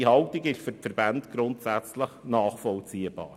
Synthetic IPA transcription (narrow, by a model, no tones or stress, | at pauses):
ihɑltiɡɪʃfʏɾfɛɾbantɡ̥ɾʊntsæt͡sləχnaːχfɔlt͡siːəbɑ̰ːɾ